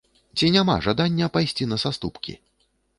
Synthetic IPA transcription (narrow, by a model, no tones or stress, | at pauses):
t͡sʲinʲama̰ʐad̪anʲːɐpajsʲt͡sʲinɐsast̪upkʲḭ